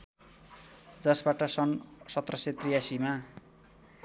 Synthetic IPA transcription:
d͡zʌsbaʈʌsʌnsʌt̪rʌset̪rijasima

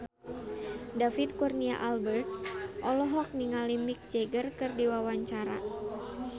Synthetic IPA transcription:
dafit̪̚kurnia̰ʔalbərt̪̚ʔɔlɔɦɔk̚niŋalimik̚d͡ʒeɡərkɨrdiwawaɲt͡ʃaɾa̰

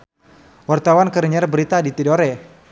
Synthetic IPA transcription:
wart̪awankəɾəɲɛrbəɾit̪adit̪idoɾɛ

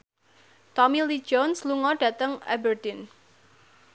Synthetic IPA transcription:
t̪ɔmilid͡ʒɔnsluŋɔɖ̥ä̤t̪əŋʔɛ̰bərd̪ɪn

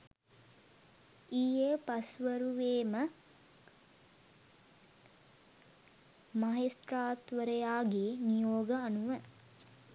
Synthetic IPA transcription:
iːjepɐsʋəɾuʋeːmə | mɐɦest̪raːt̪ʋəɾəjaːɡeːnijoːɡəanuʋə

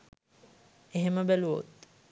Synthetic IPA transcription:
eɦeməbæluʋo̰t̪̚

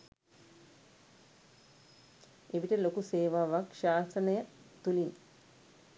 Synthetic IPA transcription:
eʋiʈəlokuseːʋaːʋakʃaːsənəjə | t̪ulin

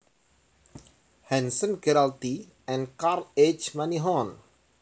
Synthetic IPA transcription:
hɛ̃nsə̃nɡɛɾalt̪i | ɛ̃nkarlet͡ʃmaniɦɔ̃n

